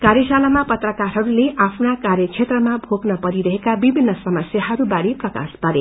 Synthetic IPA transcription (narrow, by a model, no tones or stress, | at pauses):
kaɾjʌsalamapʌt̪rʌkaɾɦʌɾuleʔapʰnakarjʌkʰet̪rʌmabʱoɡnʌpʌɾiɾʌɦekabibʱinːʌsʌmʌsjaɦʌɾubaɾiprʌka̰spʌɾe